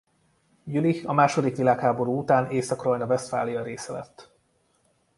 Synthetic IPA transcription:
jyliɒmaːʃo̞d̪ikʋilaːkhaːbo̞ɾuːut̪aːneːsɒkrojnɒvɛst̪fa̰ːlijɒɾeːsɛlɛ̰t̪ː

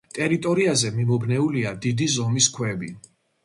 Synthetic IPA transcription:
t̪ʼɛɾit̪ʼɔɾiazɛmimɔbnɛuliad̪id̪izɔmiskʰwɛbi

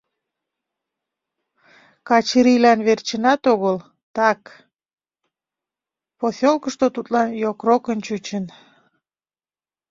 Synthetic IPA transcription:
kɑt͡ɕəɾilɑnβert͡ɕənɑt̪oɣəl | t̪ɑk | posolkəʃt̪ot̪ut̪lɑnjokrokənt͡ɕut͡ɕən

